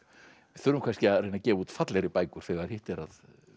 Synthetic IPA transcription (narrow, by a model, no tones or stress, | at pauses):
vɪθʏɾʏmkʰanscɪaðrejnacɛːvuːt̪fat̪lɛɾɪpaːjkʏɾ̥θɛɣaɾ̥hɪht̪ɛɾað